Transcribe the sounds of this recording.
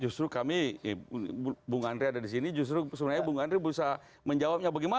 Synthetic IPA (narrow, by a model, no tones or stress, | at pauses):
d͡ʒust̪ɾukami | buŋandɾiadadis̬inid͡ʒus̬t̪ɾusəbənarɲabuŋandɾibəusa | məɲd͡ʒawap̚ɲabaɡɛma